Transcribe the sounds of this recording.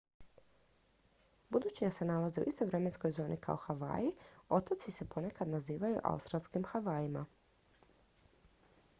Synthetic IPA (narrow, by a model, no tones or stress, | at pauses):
bud̪uːt͡ɕiase̞nalaze̞ṵʔist̪o̞jʋɾe̞me̞nsko̞jzo̞ːnʔikʰa̰o̞xaʋa̰ːjio̞t̪at̪sise̞po̞ne̞kad̪naziːʋajṵʔa̰ṵst̪ɾalˠskimxaʋaːima